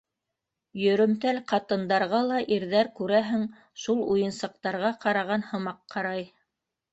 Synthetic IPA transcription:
jɵ̆ɾɵ̆mt̪ælqɑt̪ɤ̆nd̪ɑɾʁɑlˠɑʔiɾðæɾkʉɾæɦɘŋ | ʃulˠujɤ̆nsɑq̚t̪ɑɾʁɑqɑɾɑʁɑnhɤ̆mɑqːɑɾɑj

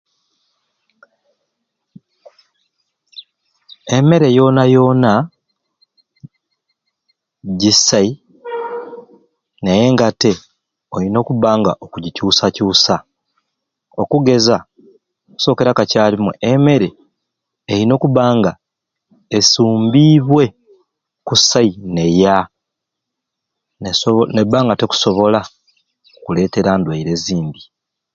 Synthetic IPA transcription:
e̞me̞ɾe̞jo̞ːnajo̞ːna | ɟisai | neje̞ːŋɡate̞ | oɾino̞ːkuβaːŋɡaʔokuɟicuːsacuːsa | o̞kuɡe̞za | oku̥so̞ːke̞ɾakacaːlimuʔeme̞ɾe | eɾino̞ːkuβaːŋɡa | esuːmbiːβwe̞ | kusaine̞ja | ne̞bːaːŋɡate̞ku̥so̞βo̞la | kule̞ːte̞ɾandwaiɾe̞ziːmbi

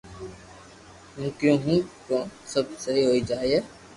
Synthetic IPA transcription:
jũːkjõːɦũːkõːsəb̚səɦiɦoːiːd͡ʒaːiɛː

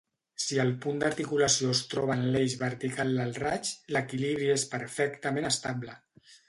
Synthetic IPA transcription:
siəlˠpund̪əɾt̪ikuləsioəst̪ɾɔβ̞ənlejzβəɾt̪ikalˠd̪əlˠrat͡ʃləkiliβɾiespəɾfɛkt̪əmẽnəst̪ablə

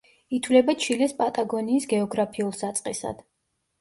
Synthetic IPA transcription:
it̪ʰwlɛbat͡ʃʰilɛspʼat̪ʼaɡɔniːsɡɛɔɡɾapʰiulˠsat̪sʼqʼɛsa̰d̪̥

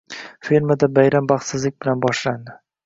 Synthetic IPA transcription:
feɾmad̪abajɾambɑχt̪sɪzlɪk̚ʲbɪlanbɒʃland̪ɪ

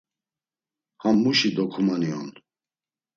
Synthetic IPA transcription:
hamːuʃid̪ɔkʰumaniɔ̰n

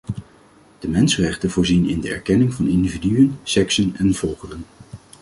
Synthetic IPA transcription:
d̥əmɛnsərɛχtənvʊːɹzinɪ̰ndəɛ̰ɹkɛnɪŋvɑnɪndividyənsɛksənɛnvɔlˠχərən

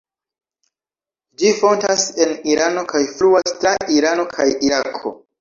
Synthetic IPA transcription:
d͡ʒifo̞ntase̞niɾano̞kʰajfluastɾaʔiɾano̞kʰajiɾakʰo̞̰

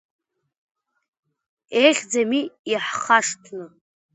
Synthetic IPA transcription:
ejχʲd͡zamiiħχaʂtʰnɨ

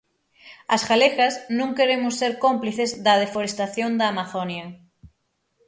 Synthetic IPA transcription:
asxalexaznõŋkeɾemosːeɾkompliθezðað̞efoɾest̪aθjond̪amaθonja

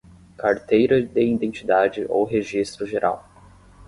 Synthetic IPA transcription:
kaɾt̪ejɾɐd̪eĩnd̪ẽnt͡ʃid̪ad͡ʒɪʔo̰wɦeʒist̪ɾʊʒeɾʔa̰w

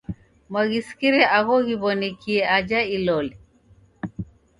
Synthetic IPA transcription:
mwaɣisi̥kiɾɛʔaɣɔɣiβɔnikʰiɛad͡ʒailɔlɛ

